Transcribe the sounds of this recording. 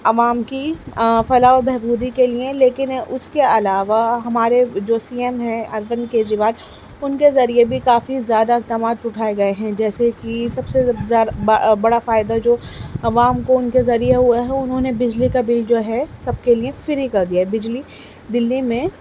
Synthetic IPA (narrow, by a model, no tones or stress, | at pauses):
ɐʋaːmkifɐlaobɛɦbuːd̪ikeliẽleːkɪnʊskeɐlaːʋaɦɐmaːɾed͡ʒoːsiːɛmɦɛ̃ɐɾʋənkeːd͡ʒɾiʋaːl | ʊnkezɐɾiebʱikaːfizjaːd̪ak̚t̪ɐmaːt̪ʊʈʰaːeɡɐeɦɛ̃d͡ʒɛːsekisɐbsezaːbɐɽafaːɪd̪ad͡ʒoːɐʋaːmkoʊnkezɐɾijeɦuaɦɛʊnɦõːnebɪd͡ʒlikɐbiːld͡ʒoːɦɛsɐb̚keliẽfɪɾɦikɐɾd̪ijaɦɛbɪd͡ʒli | d̪ɪlːimẽ